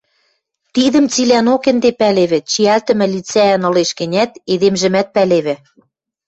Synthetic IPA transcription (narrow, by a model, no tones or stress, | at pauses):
t̪iðə̆mt͡silʲænokĕnd̪epæleβɘ̆t͡ɕiælt̪ɘ̆mɘ̆lit͡sænɤ̆leʃkɘ̆nʲæt̪eðemʒɘ̆mæt̪̚pæleβɘ̆